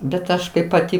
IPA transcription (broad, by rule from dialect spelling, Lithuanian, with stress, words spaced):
bʲɛt ˈɐʃ kɐɪp pɐˈtʲɪ